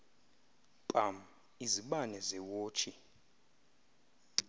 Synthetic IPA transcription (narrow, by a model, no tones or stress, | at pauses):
ǃʼam̩ | iziɓanɛzɛwoːt͡ʃʰi